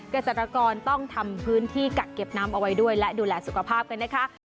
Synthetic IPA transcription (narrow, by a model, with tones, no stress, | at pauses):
kɾa˧se˨˩t̪ɾa˧kɔː˧nt̪ɔ˥˩ŋt̪ʰa˧mpʰɯː˦˥nt̪ʰiː˥˩ka˨˩t̪̚ke˨˩p̚naː˦˥mʔa˧wa˦jdu˥˩əjlɛ˦˥duː˧lɛː˧su˨˩kʰa˧pʰaː˥˩p̚ka˧nːa˦˥kʰa˦˥